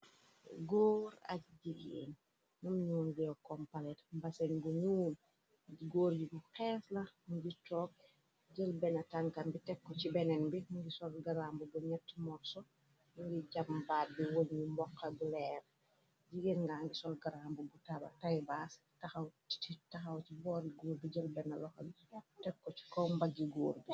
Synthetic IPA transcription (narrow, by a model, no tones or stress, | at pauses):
ɡɔːɾɐ̰k̚ɟiɡḛːn | numɲuːnɡɛwkɔmpɐlɛtmbɐsɛnɡuɲuːn | ɡɔːɾɟiɡuqɛːslɐmuɡitɔːk̚ | ɟəlbɛnɐtaŋkɐnbitɛkːɔt͡ʃibɛnɛnbimŋɡisɔlɡɐɾambubuɲɛtːmɔrsɔ | mŋɡiɟɐmbaːbiwolɲumbɔkːɐbulɛːɾ | d͡ʒiɡinŋɡaŋɡisɔlɡɐɾambubutabɐ̰tajbaːs | tɐxɐwti̥titɐxɐwcibɔːɾiɡuːlbiɟəlbɛnɐlɔxɐl | tɛkːɔt͡ʃi̥kɔwmbɐɡiɡɔːɾbi